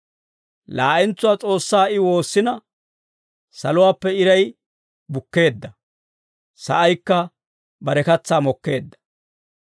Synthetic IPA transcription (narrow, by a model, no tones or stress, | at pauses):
laːʔɛnt͡sːʊwaːt͡sʼo̞ːsːaːɪwo̞ːsːɪnɐ | sɐlʊwaːpːɛɪɾɐj | bʊkːe̞ːd̪ːɐ | sɐ̰ʔɐjkːɐ | bɐɾɛkɐt͡sːaːmɔkːe̞ːd̪ːɐ̥